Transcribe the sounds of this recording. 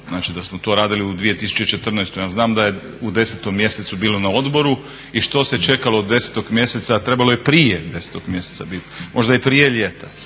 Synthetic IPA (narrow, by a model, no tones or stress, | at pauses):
znaːt͡ʃid̪asmot̪o̞ːɾaːd̪iliud̪ʋije̞t̪isu̥t͡ʃe̞it͡ʃe̞t̪r̩nojst̪ujaːznaːmd̪aje̞ | ud̪e̞set̪omːje̞set̪subiːlˠo̞nao̞d̪bo̞ɾu | iʃt̪o̞se̞t͡ʃe̞kaloːd̪ːe̞se̥t̪o̞ɡmje̞set̪sat̪ɾe̞balo̞jepɾiːjed̪e̞se̥t̪oɡ̥mje̞set̪sa̰bit̪mʔo̞ʒd̪aepɾije̞lʎʲeːt̪ʰa